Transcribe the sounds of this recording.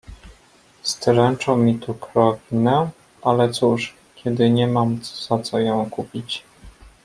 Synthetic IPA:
st̪ɾɛnt͡ʂɔ̃w̃mʲit̪ukɾɔkʲinɛ | ʔalɛt̪suʂ | kʲɛd̪ɘɲɛmamz̥at̪sɔjɔ̃w̃kupʲit͡ɕ

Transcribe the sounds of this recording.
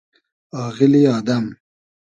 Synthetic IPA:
ɑːɣɪliɑːd̪am

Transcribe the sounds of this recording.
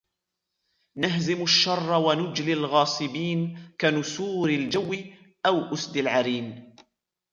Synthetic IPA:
naɦzɪmaʃːɑrˤːɑwanʊd͡ʒlɪlɣɑːsˤɨbiːnkanʊsuːɾɪld͡ʒawːɪ | ʔawʔʊsd̪ɪlʕaɾiːn

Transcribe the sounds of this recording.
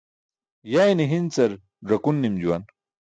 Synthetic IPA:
jajniɦint͡sɐɾ | ʐɐkunːimd͡ʑuwan

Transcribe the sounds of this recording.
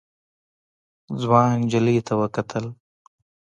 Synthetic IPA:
zwɑːnd͡ʒəlit̪ʰawəkɐt̪ʰəl

